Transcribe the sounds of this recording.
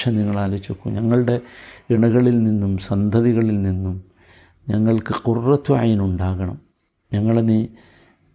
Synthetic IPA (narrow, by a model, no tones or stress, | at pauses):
ɐniŋːɐɭaːlɐt͡ɕːokːṵmɲɐŋːɐɭɨɽe̞iɳɐɣɐɭilninːumsɐnd̪ʱɐðiɣɐɭilninːum | ɲɐŋːɐɭkɨqurːɐt̪ːuʕa̰jnuɳɖaːɣɐɳɐ̰m | ɲɐŋːɐɭeni